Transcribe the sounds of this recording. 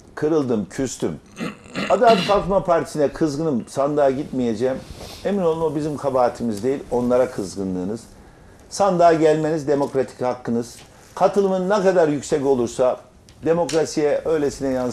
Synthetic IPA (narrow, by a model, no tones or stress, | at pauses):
kʰɯɾɯlˠd̪ɯmcʰyst̪ʰy̰m | ad̪aːt̪falˠkmapʰaɾt̪ʰi̥sinɛkʰɯzɡɯnɯmsand̪aːɟit̪mije̞d͡ʒɛme̞mino̞lˠunobizimkʰabaːt̪ʰimizd̪e̞jilʲo̞nlˠaɾakʰɯzɡɯnlˠɯːnɯz̥ | sand̪aːɟælʲme̞nizd̪e̞mo̞kɾat̪ʰi̥chakːɯnɯz̥ | kʰat̪ʰɯlˠɯmɯnːɛkad̪aɾjycsɛco̞lˠuɾsa | d̪e̞mo̞kɾasijɛʔø̞jlʲe̞sinɛjan